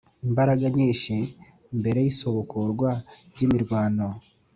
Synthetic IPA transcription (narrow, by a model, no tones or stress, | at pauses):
imbaɾaɡaɲiːʃe | mbe̞ɾe̞jisoβokoɾɡwaɾɟimiɾɡwaːno